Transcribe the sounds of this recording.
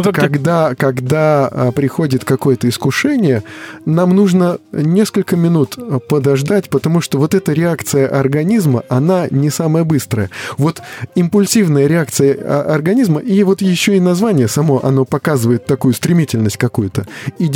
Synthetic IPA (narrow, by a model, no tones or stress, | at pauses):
kɐɡd̪akɐɡd̪aəpɾʲɪxo̞dʲɪt̪kɐko̞jət̪əɪskʊʂɛnʲɪjənamnuʐnənʲe̞skəlʲkəmʲɪnut̪pəd̪ɐʐd̪atʲpət̪ɐmuʂt̪ovo̞t̪ɛt̪əɾʲɪakt̪sɨjəʔɐrɡɐnʲizməʔɐnanʲɪsaməjəbɨst̪ɾəjəvo̞t̪ɪmpʊlʲsʲivnəjəɾʲɪak̚t̪sɨjə̰ʔɐ̰rɡɐnʲizməʔivo̞t̪jɪɕːo̞ɪnɐzvanʲɪjəsɐmo̞ʔɐ̰no̞pɐkazɨvəjɪt̪ːɐkujʊst̪ɾʲɪmʲitʲɪlʲnəsʲt̚ʲkɐkujʊt̪əi